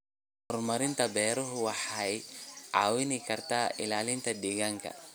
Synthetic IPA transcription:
hɔrmɐɾɪnt̪ʰɐbɛːɾɔɦʊwɑħajʕɑːwɪnɪkʰɐrt̪ʰaːʔɪ̰laːlɪnt̪ʰɐd̪iːɣaŋkʰɐ̰

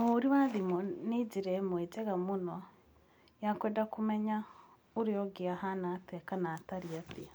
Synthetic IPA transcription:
oɾiwaðimoniɟiɾemweɟeɣamuno | jakweːndakumeɲa | uɾijoɡiahanatekanataɾiatia

